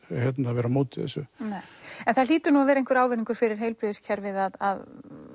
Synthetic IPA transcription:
hɛt̪naavɛːɾamoːt̪ɪðɛ̰sːʏneːjɛnθaliːt̪ʏnuavɛːɾejŋkvɛɾaːwvɛniŋkʏɾ̥fɪɾɪɾ̥ɦeːjlpɾʏðɪscʰɛɾvɪðaðað

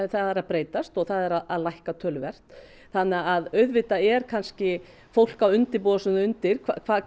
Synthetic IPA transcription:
θaðɛɾaðpɾeːjt̪ast̪ɔɣθaðɛɾaðaðlajhkat̪ʰœːlʏvɛr̥t̪ | θanːɛaaðœɥðvɪt̪aɛɾkʰanscɪ | fowl̥kawʏnt̪ɪɾpɔːðasʏnaʏnt̪ɪɾ̥kʰvakʰvaːð

